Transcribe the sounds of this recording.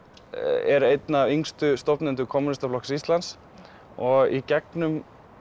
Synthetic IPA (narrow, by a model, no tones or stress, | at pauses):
ɛɾejt̪naːviŋst̪ʏst̪ɔpnɛnt̪ʏkʰɔmunɪst̪aflɔksist̪lans | ɔɣicɛknʏm